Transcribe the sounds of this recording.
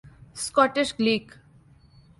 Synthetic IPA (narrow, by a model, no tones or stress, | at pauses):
skɔʈeʃɡliːk